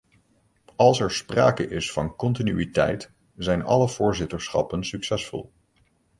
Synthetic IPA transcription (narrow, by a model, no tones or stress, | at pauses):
ɑlˠsɛɹspra̰ːkəʔɪsfɑnkɔntinyitɛ̰jt | zɛjnɑ̰ləv̥ʊːɹzɪtəɹsχɑ̰pənsyksɛsfɔ̰lˠ